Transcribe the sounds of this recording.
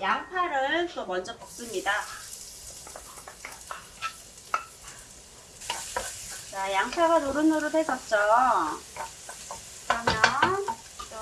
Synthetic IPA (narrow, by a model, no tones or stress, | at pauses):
jaŋpʰaɾɯɭt͈omʌnd͡ʑʌpus͈ɯmɲida | t͡ɕajaŋpʰaɡanoɾɯnɯɾudʰes͈ʌt̚t͡ɕ͈o | kɯɾʌmjʌ